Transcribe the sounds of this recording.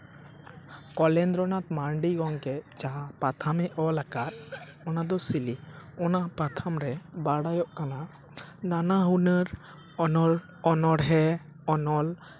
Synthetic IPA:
kɔlɛnd̪ɾɔnat̪maɳɖiɡɔŋkɛd͡ʒapat̪ʰamɛʔɔlaɡat̪̚ | ɔnad̪ɔsiliɔnapat̪ʰamɾɛbaɽajɔʔkana | nanaɦunəɾ | ɔnɔɾ | ɔnɔɽɦɛ | ɔnɔl

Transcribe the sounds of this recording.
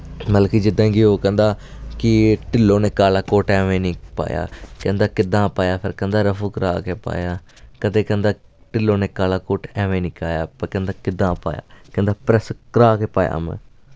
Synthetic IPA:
məlkid͡ʒɪd̪ːãːɡioːkɛ̃nd̪aːkɪʈɪloːneːkaːlaːkoːʈɛːʋẽːnĩːpa̰ːja̰ːkɛ̃nd̪aːkɪd̪ãːpaːjaːpʰɪɾkɛ̃nd̪aːɾəfʰuːkəɾaːkeːpa̰ːjaː | kət̪eːkɛ̃nd̪aːʈɪlːoːneːkaːlaːkoːʈɛːʋẽːnĩːkaːjaːpəkɛ̃ːnd̪aːkɪd̪ːãːpa̰ːja̰ːkɛ̃nd̪aːpɾɛskəɾaːkeːpaːja̰ːmɛ̰̃ː

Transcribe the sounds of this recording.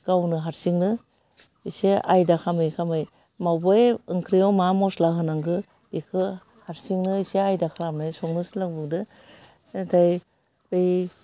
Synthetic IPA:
ɡ̥awnɯɦaɾsiŋnɯ | iseajdakʰamɯjkʰamɯj | mawbɔjɯŋkʰɾijawmamɔslaɦɯnaŋɡɯ | ikʰɯ | haɾsiŋnɯiseajdakʰaɾamnajsɔŋnɯsɯlaŋbɯdɯ | taj | bej

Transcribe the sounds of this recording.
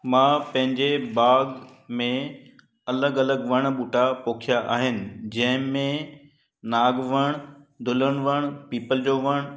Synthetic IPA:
mãːpɐ̃ɦɪ̃ɲd͡ʑeɓaːɡ | mẽ | ɐləɡɐləɡʋɐɽ̃ɓuːʈapoːkʰijaʔa̰ːɦɪnɪ̆d͡ʑɐ̃ɦɪ̃mẽ | naːɡʋɐɽ̃d̪ʱʊləɽ̃ʋəɽ̃piːpəld͡ʑoːʋɐɽ̃

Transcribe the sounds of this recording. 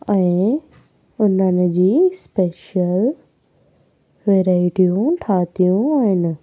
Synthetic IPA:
ɛ̃ː | ʊnənɪ̆d͡ʑiːspeːʃəl | ʋeːɾaːɪʈijũʈʰaːt̪ijũaːɦɪnɪ̆

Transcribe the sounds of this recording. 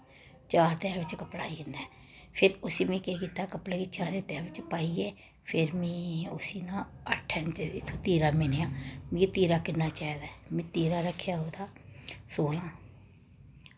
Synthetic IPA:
t͡ʃaːɾt̪ɛːʋɪt͡ʃkəpɽaːiɪ̃nd̪aː | pʰɪɾʊsiːmẽːkeːkiːt̪aːkəpleːkiːt͡ʃaːɾeːt̪ɛːʋɪt͡ʃpaːiːeː | pʰɪɾmɛ̃ːʊsiːnãːəʈʰːɛːnt͡ʃɪt̪ʰːoːt̪iːɾaːmeːnejãːmĩːt̪iːɾaːkɪnːaːt͡ʃaːid̪aːmẽːt̪iːɾãːɾəkʰːjaːɦoːd̪aːsoːlãː

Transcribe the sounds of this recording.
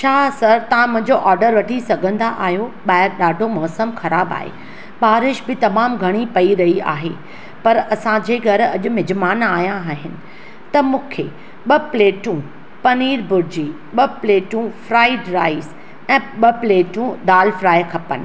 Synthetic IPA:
t͡ɕʰaːsɐɾt̪ɐʋ̤ãmʊ̃ɦɪ̃ɲd͡ʑoʔaːɾɖəɾʋɐʈʰisɐɡʱə̃nd̪aʔaːɦijoɓaːɪɾɗaːɖʱomɔːsəmxɐɾaːba̰ːɦḛ | ɓaːɾɪʃbɪt̪ɐmaːmɡʱɐɽ̃ipɐiɾɐɦia̰ːɦe | pɐɾɐsãd͡ʑeːɡʱɐɾɐʄʊ̆mɪd͡ʑmaːnaːɦjãaːɦɪnɪ̆ | t̪ɐmũːkʰe | ɓɐpleːʈũ | pɐniːɾbʊɾd͡ʑi | ɓɐpleːʈũfɾaːɪɖɾaːɪs | ɛ̃ːɓɐpleːʈũd̪aːlfɾaːjkʰɐpənɪ̆

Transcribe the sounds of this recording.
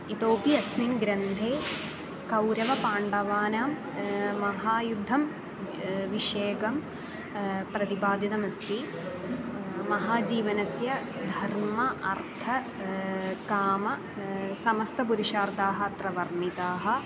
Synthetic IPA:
it̪oːpiɐsminɡɾɐnd̪ʱeː | kɐwɾɐʋɐpaːɳɖɐʋaːnaːmː | ɐɦaːjud̪ʱːɐm | ʋiʂeːkɐm | pɾɐt̪ipaːd̪jɐt̪ɐmɐst̪i | mɐɦaːd͡ʒiːʋɐnɐsjɐd̪ʱɐɾmɐʔɐɾt̪ʰɐ | kaːmɐ | sɐmɐst̪ʰɐpuɾiʃaːɾd̪aːɦɐ̆t̪ɾɐʋɐɾnit̪aːɦɐ̆

